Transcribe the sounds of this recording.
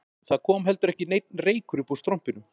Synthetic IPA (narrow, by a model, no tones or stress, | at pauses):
θakʰɔːmɦɛl̪t̪ʏɾɛhcɪnejt̪̚nreːjkɾʏpust̪ɾɔm̥pɪnʏ